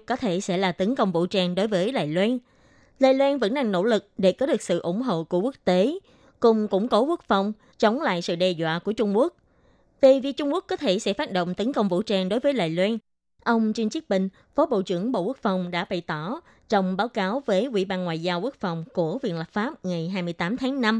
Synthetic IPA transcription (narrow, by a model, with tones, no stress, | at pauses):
kɔ˨˦t̪ʰe˧˩sɛ̰˧˥laː˨˩t̪ə˨˦nkə˧wŋ͡mvṵ˧˥t͡ɕaː˧ŋɗo˨˦jvəː˨˦jɗa̰ː˧˨jlwaː˧n | la̰ː˧˨jlwaː˧nvə̰˧˥nɗa˧ŋno̰˧˥˩lɨ˨˩k̚ɗe˧˩kɔː˨˦ɗɨ˨˩ək̚sɨ̰˧˨ʔʊ̰˧˩ŋ͡mɦo̰˧˨ku˧˩əkwu˦˥ək̚t̪e˨˦ | kʊ˨˧˩ŋ͡mkʊ̰˧˥ŋ͡mko˨˦ku˦˥ək̚fa˧˩wŋ͡m | t͡ɕə˨˦wŋ͡mla̰ː˧˨jsɨ̰˧˨ɗɛ˧zwa̰ː˧˨ku˧˩ət͡ɕʊ˧ŋ͡mku˦˥ək̚ | vi˨˩vi˨˩ək̚t͡ɕʊ˧ŋ͡mku˦˥ək̚ːɔ˨˦t̪ʰe˧˩sɛ̰˧˥faː˦˥t̚ɗo̰˧˨wŋ͡mt̪ə˨˦nkə˧wŋ͡mvṵ˧˥t͡ɕaː˧˩ŋɗo˨˦jvəː˨˦jla̰ː˧˨jlwaː˧n | ʔə˧wŋ͡mt͡ɕi˧nt͡ɕɨ˦˥k̚ɓï˧˩ŋ̟ | fɔ˨˦ɓo̰˧˨t͡ɕɨ̰˧˩əŋɓo̰˧˨ku˦˥k̚fa˨˩wŋ͡mɗa̰ː˧˥ɓa˧˩˨jt̪ɔ˧˩˨ | t͡ɕɔ˧wŋ͡mɓaː˨˦wkaː˨˦wvəː˨˦jʔwḭ˧˥ɓaː˧nŋwa̰ː˧˨jzaː˧wku˦˥ək̚fa˨˩wŋ͡mku˧˩əvḭ˧˨ənlə˨˩p̚faː˦˥p̚ŋa˨˩jɦaː˧jmɨ˧əjt̪aː˨˦mt̪ʰaː˨˦ŋna˧m